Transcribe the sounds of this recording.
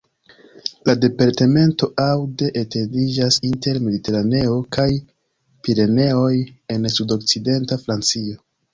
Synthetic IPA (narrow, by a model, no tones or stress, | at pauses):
lade̞paɾteme̞nto̞ʔawde̞ʔete̞ndid͡ʒasinte̞ɾme̞dite̞ɾane̞o̞kʰaj | piɾe̞ne̞o̞je̞nsudo̞k̚t͡side̞ntafɾant͡sio̞